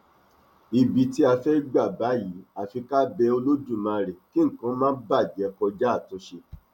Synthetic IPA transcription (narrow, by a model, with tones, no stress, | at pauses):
i˧˨bi˨˧ti˦a˧fɛ˦ɡ͡ba˦˨ba˨˦ji˨˦a˨fi˧ka˦bɛ˧o˧lo˦d͡ʒũ˦˨mã˨˧˨ɾɛ˨ki˦ŋ̩˦˨kã˨˦mãː˦ba˦˨d͡ʒɛ˨˦kɔ˧d͡ʒa˦˨tõ˨˦ʃe˧